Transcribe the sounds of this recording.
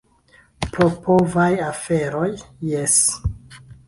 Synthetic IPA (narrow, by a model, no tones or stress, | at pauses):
popʰo̞vajafeɾo̞jːes